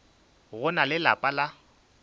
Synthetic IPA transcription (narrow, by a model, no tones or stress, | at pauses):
ɣʊnalɪla̰pʼala